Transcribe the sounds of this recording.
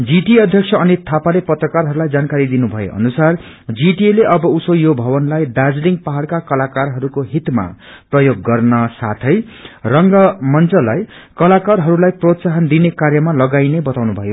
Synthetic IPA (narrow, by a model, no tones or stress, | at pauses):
d͡ziʈiʌd̪ʱjʌksʰʌʌnit̪ʰapalepʌt̪rʌkarɦʌɾulajd͡zankaɾid̪inubʱʌjo̰ʔʌ̰nusar | d͡ziʈieleʔʌbʌusojobʱʌbʌnlajɖad͡zliŋɡpaɦaɽkakʌlakarɦʌɾukoɦit̪ma̰prʌjoɡːʌrnʌsat̪ʰʌj | rʌŋɡʌmʌnt͡sʌlaj | kʌlakarɦʌɾulajprot̪saɦʌnd̪inekaɾjʌmalʌɡajnebʌt̪awnubʱʌjo